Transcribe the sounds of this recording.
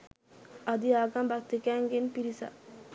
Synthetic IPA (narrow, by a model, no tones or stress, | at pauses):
ɐd̪iaːɡambak̚t̪ikɛŋɡenpiɾisa̰